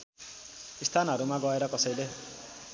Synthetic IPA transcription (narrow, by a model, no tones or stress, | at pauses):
ist̪ʰanɦʌɾumaɡʌeɾʌkʌsʌjle